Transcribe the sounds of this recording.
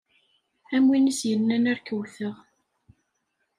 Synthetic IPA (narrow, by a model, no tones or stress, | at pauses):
æmwinisjənːænæɾkəwθəʁ